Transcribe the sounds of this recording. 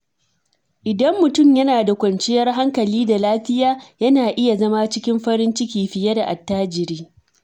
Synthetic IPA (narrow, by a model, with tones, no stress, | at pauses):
ʔɪ˨dɐ˦mːʊ˨tʊ˦˨mjɐ˦naː˨da˨kʷɐ˨nt͡ʃɪ˦jɐ˦rɦa˦ŋkɐ˨liː˦da˨laː˦ɸɪ˦jaː˦jɐ˦naː˨ʔɪ˦ja˨zɐ˦ma˦t͡ʃɪ˦kʲɪ˦mɸɐ˦ɾɪ˦nt͡ʃɪ˦kʲiː˨ɸɪ˨jɐ˦da˨ʔa̰˨tːaː˦d͡ʒɪ˨ɾiː˦